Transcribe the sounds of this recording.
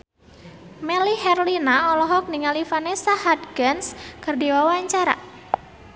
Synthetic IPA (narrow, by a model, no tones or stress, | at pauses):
melihɛrlinaɔlɔɦɔk̚niŋalifanesahadɡənskərdiwawaɲt͡ʃaɾa̰